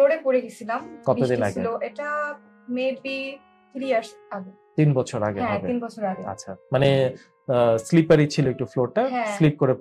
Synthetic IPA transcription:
loɾepoɾeɡit͡ɕʰilamkɔtiod̪inaɡieloʔeʈa | mebi | t̪ʰɾiaɾs | aɡe | t̪inbɔt͡ɕʰoɾaɡeɔbeinbɔt͡ɕʰoɾaɡea̰tːɕʰamane | slipaɾit͡ɕʰiloek̚ʈufloɾʈaɦɛ̃slip̚koɾe

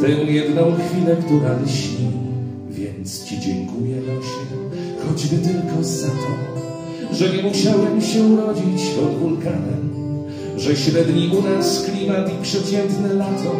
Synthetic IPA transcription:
t̪ɛwjɛd̪nɔ̃w̃xfʲilɛkt̪ɪvalʲiɕi | vʲjɛ̰nt̪st͡ɕid͡ʑɛ̰ŋkujɛnaʂɛ | xɔd͡ʑvɘt̪ɪlkɔ̃sɛt̪ɔ | ʐɛɲɛmuɕawɛmɕɛuɾɔd͡ʑit͡ɕpɔd̪vulkana | ʐɛɕɾɛd̪ɲiʔunasklʲimat̪ipʂɛt͡ɕɛnt̪nɛlat̪ʰɔ

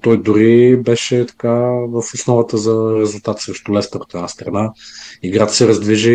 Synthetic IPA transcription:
t̪ɔjd̪ʊɾibɛʃɛt̪ɐ̥kavəfosnɔvət̪əzɐɾɛzʊlˠt̪at̪sɾɛʃt̪ʊlɛst̪əɾot̪ɛd̪nast̪ɾɐnaiɡɾat̪ə̥sɛɾɐzd̪viʒi

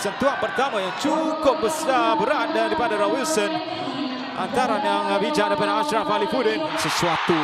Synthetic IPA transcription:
sənt̪uanpərt̪amajaŋt͡ʃukʊp̚bəsabəɾat̪̚daɾipadaɾɔwilsən | ʔa̰nt̪aɾanjaŋbid͡ʒaʔdəpadaasɾanpalifudɪ | səsuat̪u

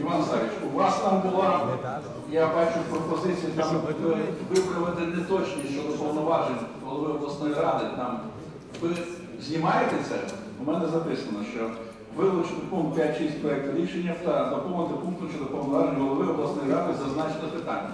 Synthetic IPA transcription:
iʋɑnsɑɾʲit͡ʃuʋɑst̪ɑmbʊlˠɑ | jabɑt͡ʃʊpɾɔpɔzɪt͡sʲijɐt̪ɑmʊp̪ɐt̪ʋɪpɾɐʋɪt̪ɪnɛt̪ɔt͡ʃʲnʲiʃt͡ʃɔd̪ɔpɐwnɔʋɑʒenʲɦɔlˠɔʋɪɔblˠɐsnɔjiɾɑd̪ɪt̪ɑm | ʋɪ | zʲnʲimɑjet̪et̪sɛ̰ | ʊmɛnɛzɐpɪsɐnɔʃt͡ʃɔ | ʋɪlˠʊt͡ʃnɪpunkt̪̚pʲjatʲʃisʲtʲpɾɔɛk̚t̪ɪɾʲiʃenʲːɐt̪ɐd̪ɐkɔmɐnt̪ɪpunkt̪ʊʃt͡ʃɔd̪ɔpɐwnɔʋɑʒenʲɦɔlˠɔʋɪɔblˠɐsnɔjiɾɑd̪ɪzɐznɑt͡ʃenɔpɪt̪ɑ̰nʲːɐ̰

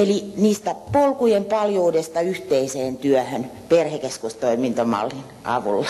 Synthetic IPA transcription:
eliniːst̪æpolkujempɑljuːdest̪ɑyht̪eiseːnt̪yøhønperhekeskust̪oimint̪omɑ̰lːin | ʔɑ̰ʋṵlːɑ

